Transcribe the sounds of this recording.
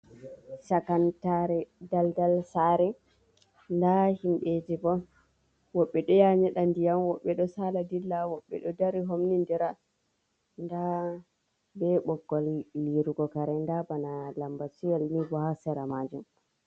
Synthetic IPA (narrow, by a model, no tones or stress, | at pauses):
sakantaɾɛdaldalsaɾɛ | ndahimɓed͡ʒibɔ | wɔɓːɛɗɔjaɲɛɗandijamwɔɓːɛɗɔsaladilːawɔɓːɛ̰ɗɔdaɾiɦomnindɛɾa | nda | bɛɓɔɡːɔlːiɾuɡɔkaɾɛndabanalambasijalnibɔhasɛɾamad͡ʒum